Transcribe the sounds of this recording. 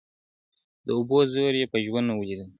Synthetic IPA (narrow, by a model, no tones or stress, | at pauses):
d̪əʊbozoɾjepəʒwand̪awəlid̪əl